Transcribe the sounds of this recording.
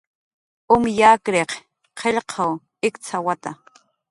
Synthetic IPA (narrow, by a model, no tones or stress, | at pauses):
ʊmjaːkɾeq | qʰeʎqʰɑw | ɪkt͡sʰawat̪a